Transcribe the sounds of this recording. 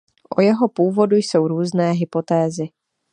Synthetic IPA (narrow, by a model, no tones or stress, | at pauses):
ʔojɛɦopuːvo̞dujso̞wɾuːznɛːɦɪpo̞t̪ɛːzɪ